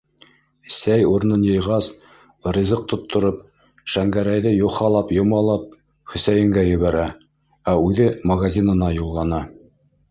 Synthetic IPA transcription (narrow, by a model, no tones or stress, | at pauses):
sæjuɾnɤnjɤ̆jʁɑs | rʲizɤq̚t̪ŏt̪ʰːŏɾɤp | ʃæŋɡæɾæjðɘjuχɑlˠɑpjŏmɑlˠɑp̚ | χɵ̆sæjɘ̆ŋɡæjɵ̆βæɾæ | æʉðɘmɐɡazʲinɤ̆nɑjulˠːɑnɑ